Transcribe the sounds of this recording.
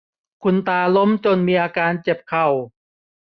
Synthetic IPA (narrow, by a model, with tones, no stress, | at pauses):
kʰu˧nt̪aː˧lo˦˥mt͡ɕo˧nmiː˧ʔaː˧kaː˧nt͡ɕe˨˩p̚kʰa˨˩w